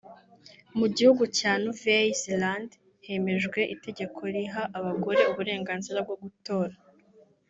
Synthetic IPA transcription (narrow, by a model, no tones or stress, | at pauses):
muɟihuɡucaːnuvezland | he̞me̞ʒɡwe̞ʔite̞ɟe̞kʰo̞ɾiɦaʔaβaɡo̞ɾe̞uβuɾe̞ːŋɡaːnziɾab̚ɡo̞ɡuto̞ːɾa